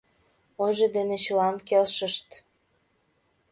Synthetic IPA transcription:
oʒed̪enet͡ɕəlɑnkelʃəʃt̪

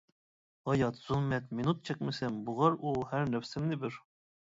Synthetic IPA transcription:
ɑjɑt̪z̥uhmɛt̪minut̪̚t͡ʃʰɛk̚ʲmɪsɛmbuʁɑɾuhæɾnɛfsɪmnɪbɪɾ

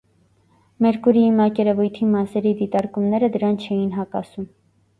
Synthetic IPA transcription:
mɛɾkuɾiimɑkɛɾɛvujt̪ʰimɑsɛɾid̪it̪ɑɾkumnɛɾəd̪əɾɑnt͡ʃʰɛjinɦɑkɑ̰sum

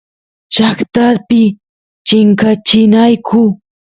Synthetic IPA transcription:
ʃakt̪aɾpɪ | t͡ʃɪŋkat͡ʃɪnajkʰʊ

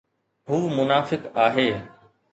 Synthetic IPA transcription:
ɦuːmʊnaːfɪkaːɦeː

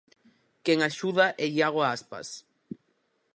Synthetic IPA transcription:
keŋaʃuðaʔeʎaɣ̞oaaspa̰s

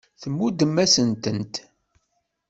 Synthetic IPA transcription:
θəmːud̪əmːæsənt̪ənt̪

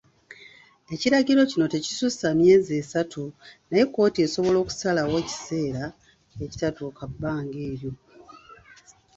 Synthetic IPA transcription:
e̞ciɾaɟiɾo̞cino̞te̞cisusamje̞ːziesatʰunajekːo̞ːtie̞so̞βo̞lo̞ːku̥salawo̞ci̥se̞ːɾa | eci̥tatukabːaːŋɡeːɾjo̞

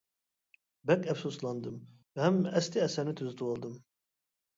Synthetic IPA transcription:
bɛkɛfsuslˠɑnd̪ɯm | vhæmːɛst̪ʰiæsæɾnit̪ʰyzyt̪ʰuolˠd̪ɯm

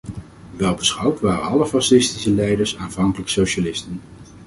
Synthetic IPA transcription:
ʋɛlˠbəsχɑwtʋaːrənɑləfɑsɪstisəlɛjdəɹsaːnvɑŋkələksowʃalɪstən

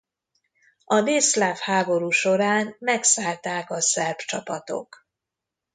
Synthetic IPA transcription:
ɒd̪eːslaːfhaːbo̞ɾuːʃo̞ɾaːnmɛksaːlt̪aːkɒsɛrbt͡ʃɒpɒt̪o̞̰k

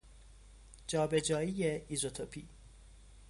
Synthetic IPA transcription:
d͡ʒɒːbe̞d͡ʒɒːijeizot̪ʰopʰi

